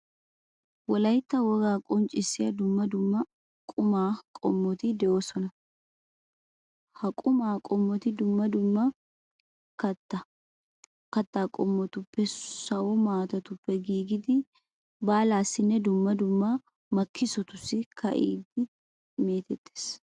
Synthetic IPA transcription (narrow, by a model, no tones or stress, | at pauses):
wɔlɐjt̪ːɐwɔɡaːkʼɔnt͡ʃʼɪsɪɐd̪ʊmːɐd̪ʊmːɐ | kʼʊmaːkʼɔmːɔt̪id̪ɛʔoːsɔnɐ | hɐkʼʊmaːkʼɔmːɔt̪ɪd̪ʊmːɐd̪ʊmːɐ | kɐt̪ːɐ | kɐt̪ːaːkʼɔmːɔt̪ʊpːɛsɐʔɔmaːt̪ɐt̪ʊpːɛɡiːɡɪd̪ɪ | baːlaːsɪnːɛd̪ʊmːɐd̪ʊmːa | mɐkʰːɪsɔt̪ʊsɪkʰɐ̰ʔiːd̪ɪ | meːt̪ɛt̪ʼːe̥s